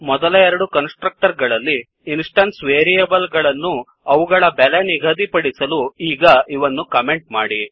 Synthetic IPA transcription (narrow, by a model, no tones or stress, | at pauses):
mɔd̪ɐlɐɛɾɐɽukɐnsʈɾɐk̚ʈɐɾɡɐɭɐlːiː | nsʈɐnsʋeːɾijɐbɐlɡɐɭɐnːu | ɐʋuɡɐɭɐbɛleniɡʱɐd̪ipɐɽisɐluiːɡɐiʋɐnːukɐme̞ɳʈ̚maːɽi